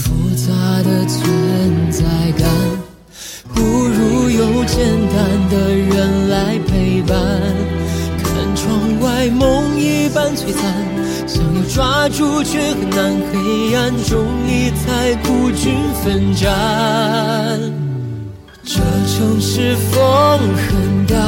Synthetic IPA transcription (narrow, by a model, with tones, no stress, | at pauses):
fu˧˥˧t͡sa˧˥d̪ə˨t͡sʰɥɛ˥˧˥nt͡sa˧˩ɪka˧˥n | pu˧˩ɻu˧˥jo˧˥ʊt͡ɕjɛ˥˧˩nt̪a˥˧nd̪ə˨ɻə˧˥nla˧˥ɪpʰe˥˩ɪpa˧nnkʰa˧˩nʈ͡ʂʰwɑ˧ŋwa˥ɪmʊ˧˥ŋi˥˧pa˥˧nt͡swe˥ɪt̪a˧n | ɕɑ˨˧˩ŋjo˧˩ʊʈ͡ʂwa˥ʈ͡ʂu˥˧t͡ɕʰɥɛ˥˩xə˧˥nna˧˥nkʰe˧˥˧a˥˧nʈ͡ʂʊ˧˥ŋi˧˩t͡sʰa˥˧ɪku˧˩t͡ɕy˥nfə˧nʈ͡ʂa˧ | n | ʈ͡ʂə˧˩ʈ͡ʂʰʊ˧˥ŋʂɻ̩˥˧fo˥ŋxə˧˩nd̪a˧